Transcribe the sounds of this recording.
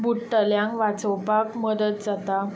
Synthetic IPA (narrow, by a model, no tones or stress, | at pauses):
buʈːəljãŋkʋat͡səwpakməd̪ət̪̚d͡zat̪a